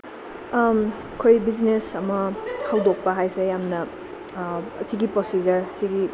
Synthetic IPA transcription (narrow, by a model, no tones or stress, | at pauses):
kʰojbiznesɐmɐhawdok̚pɐɦajsejamnɐ | siɡipɾosizɐɾsiɡi